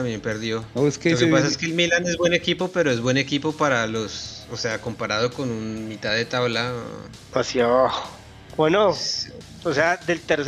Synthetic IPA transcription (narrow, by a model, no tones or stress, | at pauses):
ambje̞mpe̞ɾðjo̞oeskelokepas̬ae̞skelmilane̞zbwe̞nekipo̞pe̞ɾo̞ezβwe̞ne̞kipo̞paɾalo̞sose̞ako̞mpaɾaðo̞ko̞nunmit̪aðet̪aβla | asiaβaxo | bweno | osead̪elt̪eɾs